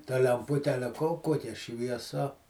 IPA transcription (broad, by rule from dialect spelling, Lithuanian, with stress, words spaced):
tɐ lʲɛmˈpʊtʲɛ ˈɑːlʲɛ koː ˈkoːkʲɛ ʃʲʋʲiɛˈsɐ